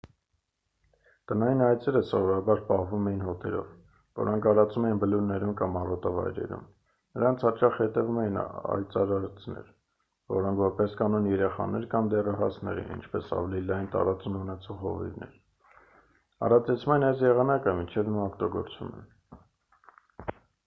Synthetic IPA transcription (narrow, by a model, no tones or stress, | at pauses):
t̪ənɑjinɑjt͡sʰɛɾəsɔvɔɾɑbɑɾpɑhvumɛjinɦɔt̪ʰɛɾɔ̰v | vɔ̰ɾɔŋkʰɑɾɑt͡sumɛjinbəluɾnɛɾumkɑmɑrɔt̪ɑvɑ̰jɾɛ̰ɾṵm | nəɾɑnt͡sʰhɑt͡ʃɑχhɛt̪ɛvumɛjinɑ̰jt͡sɑɾɑɾt͡snɛ̰ɾ | vɔɾɔŋkʰvɔɾpɛskɑnɔnjɛɾɛχɑ̰nɛɾkɑmd̪ɛrəɦɑsʰnɛ̰ɾḭnḭnt͡ʃʰpɛsɑ̰vɛlilɑjnt̪ɑ̰ɾɑt͡sumunɛt͡sʰɔʁɔ̰vḭvnɛ̰ɾ | ɑ̰rɑt͡sɛt͡sʰumɛnɑjzjɛʁɑnɑkəmint͡ʃʰɛvnuɑkt̪ɔɡɔ̰ɾt͡svṵmɛ̰n